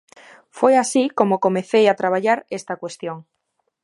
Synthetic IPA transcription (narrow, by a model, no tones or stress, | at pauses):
fojasikomokomeθejat̪ɾaβ̞aʎaɾest̪akwest̪joŋ